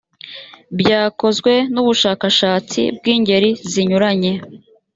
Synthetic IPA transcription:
bɟaːko̞zɡwe̞nuβuʃaːkaʃaːt͡sḭb̚ɡiːɲɟe̞ɾiziɲuɾaɲe̞

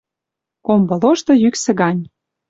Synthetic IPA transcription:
kombɤ̆loʃt̪ɤ̆jyksĕɡɑnʲ

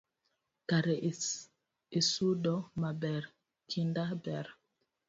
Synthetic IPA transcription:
kaɾɛ | esudɔmabɛɾ | kindabɛɾ

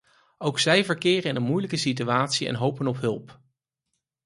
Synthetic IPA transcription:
owksɛjvəɹkɪːrəɪnənmujləkəsit̬yaːtsiɛ̰nɦowpənɔpɦɵlˠp

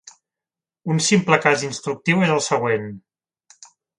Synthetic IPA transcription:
unsimpləkazinst̪ɾuk̚t̪iwezəlˠsəɣ̞wen

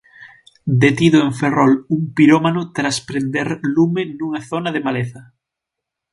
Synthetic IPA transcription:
d̪et̪iðʊeɱferɔluŋpiɾomanʊt̪ɾaspɾend̪eɾlumenuŋaθonɐðemaleθɐ

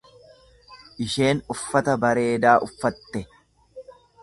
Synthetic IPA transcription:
ʔɪʃe̞ːnʊfːɐt̪ɐbɐɾe̞ːd̪aːʔʊfːɐt̪ːɛ

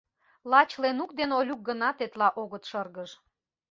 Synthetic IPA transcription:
lɑt͡ɕlenukd̪enolʲuk̚ɡənɑt̪et̪lɑʔoɣət̪ʃɤrɣəʃ

